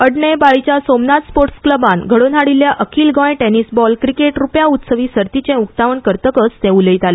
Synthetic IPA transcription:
əɽɳebaɭit͡ɕjasomnat̪spoɾʈskləbanɡʱəɽonaɽiljaʔəkʰiːlɡɔ̃jʈenisbɔlkɾikeʈɾupjaut̪səʋisəɾt̪it͡ɕẽuk̚t̪aʋəɳkəɾt̪əkət͡st̪ẽuləit̪ale

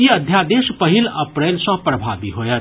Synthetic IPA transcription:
iəd̪ʱjad̪eːʃpəɦilɐpɾeːlsɔ̃pɾəbʱaːbiɦoːjəɾ

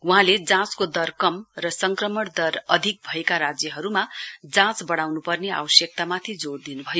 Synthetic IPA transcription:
uɦãled͡zãt͡skod̪ʌrkʌmrʌsʌŋkrʌmʌɽd̪ʌrʌd̪ʱik̚bʱʌekaɾad͡zjʌɦʌɾumad͡zãt͡sbʌɽ̃awnupʌrnea̰bʌsjʌk̚t̪amat̪ʰid͡zoɽd̪inubʱʌjo

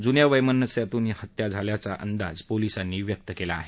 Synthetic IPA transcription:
d͡zunjaʋəjmənːəsjat̪uːnihət̪jad͡zʱaljat͡saʔənd̪a̰d͡zpolisanːiːʋjək̚t̪əkelaːɦe

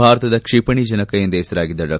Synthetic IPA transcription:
aːɾɐt̪ɐd̪ɐkʂipɐɳid͡ʒɐnɐkɐjɐnd̪ɛːsɐɾaːɡid̪ːɐɾɐ

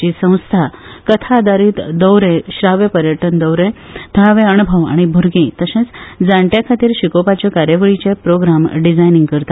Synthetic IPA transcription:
iːsə̃w̃st̪ʰakət̪ʰad̪aɾiːt̪d̪əwɾẽɕɾaʋepəɾjəʈənd̪əwɾẽt̪ʰaʋeəñubʱəʋa̰ɽ̃ibʱuɾɡĩt̪əsẽt͡sd͡zaɳʈjakʰat̪iːɾɕikopat͡ɕjɔkaɾjəʋəɭit͡ɕepɾoɡɾamɖid͡zajniŋɡkəɾt̪a

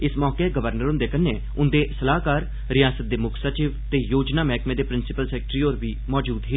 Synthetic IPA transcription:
ɪsmɔːkeːɡəʋəɾnəɾʊ̃nd̪eːkənːeː | ʊnd̪eːsəlaːɦkaːɾ | ɾɪjaːsət̪̚d̪eːmʊkʰsət͡ʃɪːʋt̪eːjoːd͡ʒnaːmɛːkmẽːd̪eːpɾɪnsɪpəlsɛːk̚ʈɾiːoːɾbiːmɔːd͡ʒuːd̪ɦeː

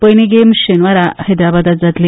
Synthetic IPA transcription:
pəjniɡemɕenʋaɾahed̪ɾabad̪at̪d͡zat̪le

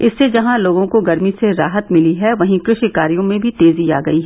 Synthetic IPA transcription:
ɪsːed͡ʒɐɦãloːɡõkoɡɐɾmiseɾaːɦət̪mɪliɦɛʋɐɦĩkɾɪʃkaːɾijõmẽbʱit̪eːzia̰ːɡɐiɦɛː

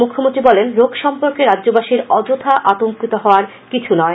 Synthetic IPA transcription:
mukʰːomõnt̪ɾibɔlenɾoɡʃɔmpoɾkeɾadːʑobaʃiɾɔd͡ʑot̪ʰaʔat̪oŋkit̪oɦɔoaɾ | kit͡ɕʰunɔe

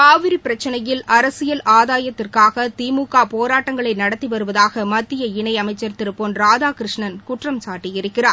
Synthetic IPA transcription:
kaːʋɪɾipɪɾɐt͡ʃːɐnɐjɪlʔɐɾɐsɪjɐlʔaːðaːjɐt̪ːɪrkaːɣɐt̪iːmuːkaːpoːɾaːʈːɐŋɡɐɭɐɪnɐɽɐt̪ːiʋɐɾɯʋɐðaːɣɐmɐt̪ːɪjɐɪɳɐɪɐmɐɪt͡ʃːɐɾt̪ːɪɾɯpːoːnɾaːðaːkɪɾɯʂɳɐnkʊʈrɐmsaːʈːɪjɪɾɯkːɪraːɾ

